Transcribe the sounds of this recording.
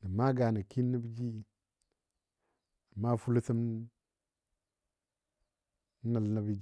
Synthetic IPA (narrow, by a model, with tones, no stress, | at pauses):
nə˨ma˦ɡa˨na˨ki˦nːa˦bi˦d͡ʒi˦ | na˨ma˦fu˦lu˦sə˦m˦ | na˨lna˨bi˦d͡ʒ